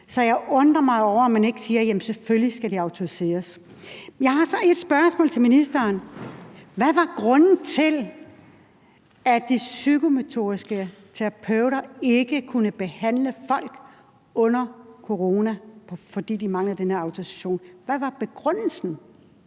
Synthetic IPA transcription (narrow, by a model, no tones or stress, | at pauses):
sɒ̽jɑ̈ɪʔɔ̽nd̥ʁɐmɑ̈ɪɒʊ̰ɐmæne̝ɡ̥əsiːɐjæmn̩seføljisɡ̥æd̥iɑ̈ʊt͡sʰo̝ise̝̰ːɐs | jɑ̈ɪhɑ̈sɒ̽e̝d̥sb̥ɶɐsmɔ̰̽lt͡sʰe̝lminisd̥ɐːn | ʋæʋɑ̈ɡ̥ʁɔ̽nn̩t͡sʰe̝l | æd̥isyɡome̝t͡sʰo̝̰ːisɡ̥ət͡sʰeʁɑpʰøʊ̰ɾɐe̝ɡ̥əkʰunəb̥e̝hæn̰ləfɒ̽l̰ɡ̥ | ɔ̽n̰ɐkʰo̝ʁo̝ːnæpʰfɒ̽d̥ḭːd̥imɑ̈ŋləð̩ˠd̥enheɐɑ̈ʊt͡sʰoisæ̥ɕo̝̰ːnʋæʋɑ̈b̥e̝ɡ̥ʁœn̰l̩sn̩